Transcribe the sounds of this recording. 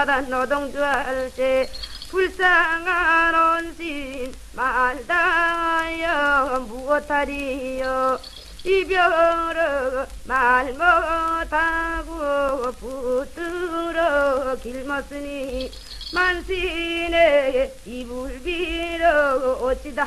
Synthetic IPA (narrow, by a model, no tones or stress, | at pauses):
d̪anɔd̪ɔŋd͡ʒualsepʰulsaŋaɾɔnsin | mald̪a | jɔbuɔt̪ʰːaɾijɔ | ibjɔɾɔɡ | malmɔt̪ʰaɡuɡɔpʰut̪uɾɔkilmɔsɯni | mansineet̪ibulbiɾɔɡɔot͡ʃid̪a